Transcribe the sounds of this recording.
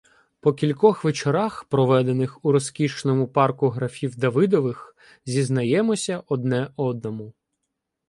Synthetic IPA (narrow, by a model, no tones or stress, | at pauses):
pɔkʲilʲkɔxʋet͡ʃeɾɑxpɾɔʋɛd̪e̞nɪxuɾɔskʲiʃnɔmʊpɑrkʊɦɾɐfʲiwd̪ɐʋɪd̪ɔʋɪx | zʲiznɐjɛmɔsʲɐʔɔd̪nɛɔd̪̚nɔmʊ